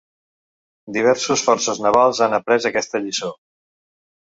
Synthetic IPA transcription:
d̪iβ̞ɛɾsusfɔɾsəznəβalˠzanəpɾɛzəkɛst̪əʎiso

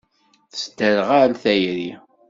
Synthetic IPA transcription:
θəsd̪əɾʁalθæjɾi

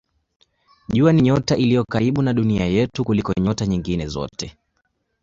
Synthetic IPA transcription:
ʄuaniɲɔtaʔilijɔkaɾiɓunaɗuniajɛtukulikɔɲɔtaɲiŋɡinɛzɔ̰tɛ

